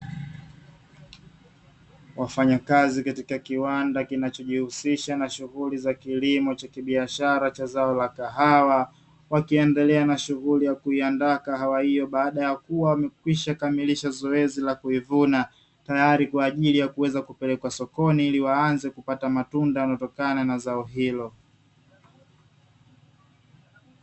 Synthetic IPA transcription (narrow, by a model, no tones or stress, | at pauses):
wafaɲakazikatikakiwandakinat͡ʃɔʄihusiʃanaʃuɣulizakilimɔt͡ʃakiɓiaʃaɾat͡ʃazaɔlakaɦawa | wakiɛndɛlɛanaʃuɣulijakuiandakaɦawahijɔɓaːɗajakuwawamɛkwiʃakamiliʃazɔɛzilakuivuna | tajaɾikwaːʄilijakuwɛzakupɛlɛkwasɔkɔniiliwaanzɛkupatamatundajanaɔtɔkananazaɔɦilɔ